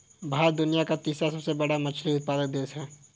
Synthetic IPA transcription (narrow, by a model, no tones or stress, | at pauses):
bʱaːɾd̪ʊnijakat̪iːsasɐbsebɐɽamɐt͡ʃʰliʊt̪̚paːd̪ək̚d̪eːsɦɛː